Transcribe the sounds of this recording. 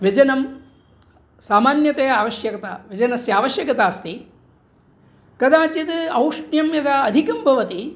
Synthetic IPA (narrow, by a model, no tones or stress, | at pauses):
ʋjɐd͡ʒɐnɐm | saːmaːnjɐt̪ejɐaːʋɐʃjɐkɐt̪a̰ʋjɐd͡ʒɐnɐsjaːʋɐʃjɐkɐt̪aːst̪i | kɐd̪aːt͡ʃit̪ɐwʂɳjɐmjɐd̪aɐd̪ʱikɐmbʱɐʋɐt̪i